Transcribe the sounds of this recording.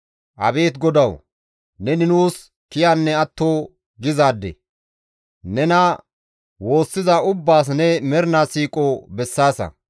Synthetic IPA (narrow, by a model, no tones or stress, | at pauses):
ʔɐ̰beːt̪ɡɔd̪ɐw | nɛnɪnuːs | kɪjanːɛɐt̪ːoː | ɡɪzaːd̪ːɛ̰ | nɛnɐ | wo̞ːsːɪzɐʊbːaːs̬nɛmɛɾɪnasiːkʼobɛsːaːsɐ̰